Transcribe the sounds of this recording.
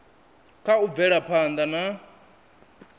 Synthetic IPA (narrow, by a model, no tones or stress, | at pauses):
kʰaub̪vɛɺapʰand̪ana